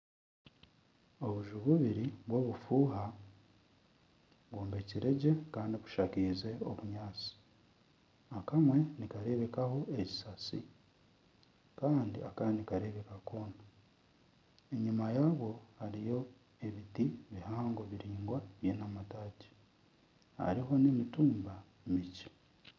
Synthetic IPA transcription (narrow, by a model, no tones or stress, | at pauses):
o̞βuʒuβuβiɾiβwo̞ːβufuːɦa | βwoːmbe̞ciɾe̞ɟe̞kaːndiβu̥ʃakize̞o̰βuɲaːt͡si̥ | akamwe̞nikaɾe̞βe̞kaho̞eci̥sat͡sḭ | kaːndḭʔakanikaɾe̞βe̞kako̞ːna | eɲumajaːβwo̞haɾijo̞ | e̞βitiβihaːŋɡo̞βiɾiːŋɡwaβjenamataːce̥ | a̰ɾiɦo̞nemituːmba | emici̥